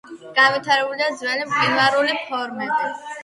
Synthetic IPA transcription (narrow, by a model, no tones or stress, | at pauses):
ɡ̥anvit̪ʰaɾɛbuliad̪zvɛlimkʼinvaɾulipʰɔɾmɛbi